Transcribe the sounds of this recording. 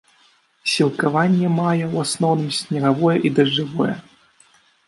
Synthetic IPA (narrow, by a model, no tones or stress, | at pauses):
sʲilˠkavanʲːɛmajɛwasnɔwnɨmsʲnʲɐɣavɔjɛʔid̪ɐʐɨvɔjɛ